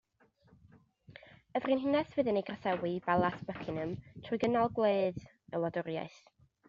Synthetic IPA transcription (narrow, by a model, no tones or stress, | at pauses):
əvrinɦɪnɛsvɨðɨnejɡrasɛwibalˠasb̥əkʰɪnəmtʰrʊjɡənɔlˠɡwlˠeːð | əlˠɔdʊrja̰ɨθ